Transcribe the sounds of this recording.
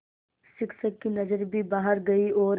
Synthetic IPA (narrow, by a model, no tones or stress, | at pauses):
ʃɪksəkːinɐzəɾbʱibaːɦəɾɡɐioːɾ